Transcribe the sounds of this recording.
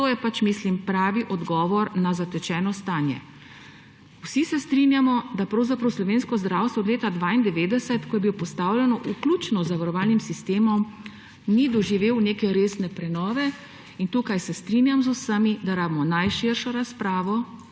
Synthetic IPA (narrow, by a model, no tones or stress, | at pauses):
t̪oːjɛpat͡ʃmislimpɾaːʋiʔɔd̪ɡɔːʋɔɾnazat̪ɛt͡ʃɛːnɔst̪aːnjɛ̰ | wsisɛst̪ɾinjamɔd̪apɾɐwzapɾɐwslɔʋeːnskɔzd̪ɾawst̪ʋɔːd̪leːt̪ad̪ʋaːind̪ɛʋeːd̪ɛsɛt̪kɔjɛbilopɔst̪aːwlʲjɛnɔʔuklut͡ʃnɔzaʋaɾɔʋaːlnimsist̪eːmɔm | nid̪ɔʒiʋeːwneːkɛɾeːsnɛpɾɛnɔːʋɛ | int̪uːkajsɛst̪ɾinjamzusəmid̪aɾaːbimɔnajʃiɾʃɔɾaspɾaːʋɔ